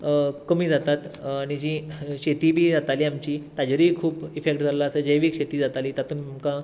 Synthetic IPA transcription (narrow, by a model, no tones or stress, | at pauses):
kəmiːd͡zat̪at̪aɽ̃id͡ʑiɕet̪iːbʱiːd͡zat̪aliːamt͡ɕiːt̪ad͡ʑɾiːkʰuːpifek̚ʈd͡zalaəsəd͡ʑəjʋiːkɕet̪iːd͡zat̪aliːt̪at̪uːnamkã